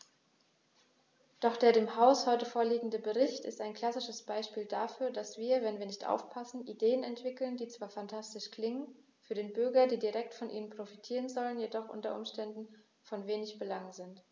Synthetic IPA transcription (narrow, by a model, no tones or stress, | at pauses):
d̥ɔχd̥eːɐɾeːmhaʊshɔʏtəfoːɐliːɡŋ̩dəbəʁɪçtɪ̰staɪnkl̥asɪʃəsb̥aɪʃpiːldafyːɐdasv̥iːɐvɛnviːɐnɪçtʔa̰ʊfpʰasn̩ʔideːənɛntv̥ɪkl̩ndiːt͡sv̥aːɐfantʰastɪʃkl̥ɪŋən | fyːɐɾeːnbʏɐɡɐdiːdiʁɛktfɔnʔḭːnənpʁ̥ofitʰiːʁ̞ənzɔlənjedɔχʔʊ̰ntɐ̰ʔʊ̰mʃtɛndn̩ | fɔnveːnɪçb̥əlaŋzɪnt